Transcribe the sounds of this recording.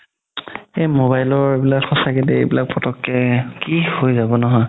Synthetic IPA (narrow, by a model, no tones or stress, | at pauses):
emobajlɔɹebilakxɔsakɛtɛḛbilak̚pɹɔtɔkːɛkihojzabɔnɔɦɔj